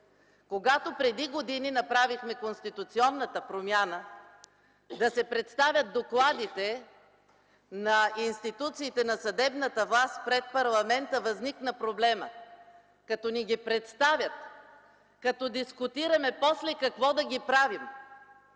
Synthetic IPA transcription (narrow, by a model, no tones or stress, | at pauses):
koɡat̪opɾɛd̪iɡod̪ininɐpɾavixmɛkonst̪it̪ʊt̪siɔnːət̪əpɾomʲjanə | d̪ɐsɛpɾɛt̪st̪avʲɐt̪̚d̪oklˠad̪it̪ɛ | nɐinst̪it̪ut̪siːt̪ɛnɐsɐd̪ɛbnət̪əvlˠast̪̚pɾɛt̪̚pɐɾlˠɐmɛnt̪əvɐzniknəpɾoblɛmə | kɐt̪ɔniɡʲipɾɛt̪st̪avʲjət̪ | kɐt̪ɔd̪iskʊt̪iɾɐmɛpɔslɛkɐkvɔd̪ɐɡʲipɾavim